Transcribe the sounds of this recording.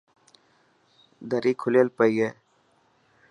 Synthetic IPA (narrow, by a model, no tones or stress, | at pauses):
d̪əɾiːkʰʊlelpəieː